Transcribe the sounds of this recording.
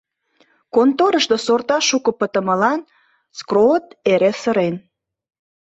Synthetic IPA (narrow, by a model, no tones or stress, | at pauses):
kont̪oɾəʃt̪osort̪ɑʃukə̆pət̪ə̆məlɑn | skrot̪eɾesəɾen